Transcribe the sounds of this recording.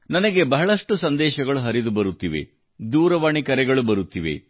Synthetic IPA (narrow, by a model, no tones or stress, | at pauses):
nɐnɐɡe̞bɐɦɐɭɐʂʈusɐnd̪ɛːʃɐɡɐɭuɦɐɾid̪ubɐɾut̪ːiʋe̞̰ | d̪uːɾɐʋaːɳikɐɾɛɡɐɭubɐɾut̪ːiʋe̞̰